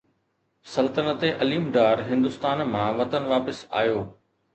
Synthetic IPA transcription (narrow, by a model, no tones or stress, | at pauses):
sɐlt̪ənət̪eʔɐliːmɖaːɾɦɪ̃nd̪ʊst̪aːnm̤ãʋɐt̪ənʋaːpɪsa̰ːjoː